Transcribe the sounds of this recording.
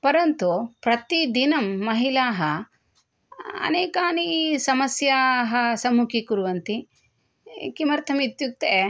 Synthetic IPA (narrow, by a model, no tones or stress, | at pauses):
pɐɾɐnt̪upɾɐt̪id̪inɐmːɐɦilaːɦɐ | ɐ̰neːkaːnisɐmɐsjaːɦɐsɐmukikuɾuʋɐnt̪i | kimɐɾt̪ʰɐmit̪juk̚t̪ee